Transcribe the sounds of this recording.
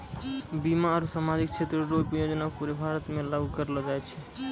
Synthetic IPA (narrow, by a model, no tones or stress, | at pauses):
bimaəɾusamad͡ʒikt͡ʃʰet̪ɾɾoɡpjod͡ʒnapuɾebʱaɾət̪mẽlaɡukəɾlɔd͡ʒajt͡ʃʰɛ